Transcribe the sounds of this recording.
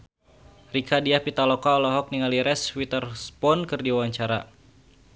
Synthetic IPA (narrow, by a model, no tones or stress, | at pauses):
rikadiahpit̪alɔkaɔlɔɦɔk̚niŋaliɾɛswit̪ərspɔnkɨrdiwawaɲt͡ʃaɾa